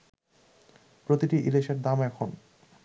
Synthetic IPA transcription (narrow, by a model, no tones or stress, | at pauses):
pɾot̪iʈiʔileʃeɾd̪amɛkʰon